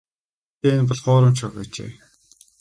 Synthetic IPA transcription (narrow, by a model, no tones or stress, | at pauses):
t̪eːnp̬ɔɮχʊːɾə̆mt͡ɕʰɔχæ̰ːt͡ɕḛː